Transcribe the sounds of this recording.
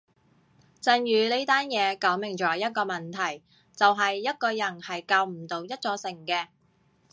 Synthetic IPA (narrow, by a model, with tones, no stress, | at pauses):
t͡sɐ˧njyː˨˧le˥t̪aː˥njɛː˨˧kɔː˨˥ŋmɪ˨˩ŋt͡ʃɔː˨˩jɐ˥t̚kɔː˧mɐ˨nt̪ʰɐ˨˩j | t͡sɐ˨wɦɐ˨jːɐ˥t̚kɔː˧jɐ˨˩nhɐ˨jkaː˧wm̩˨˩t̪o˨wjɐ˥t̚t͡sɔː˧sɪ˨˩ŋkɛː˧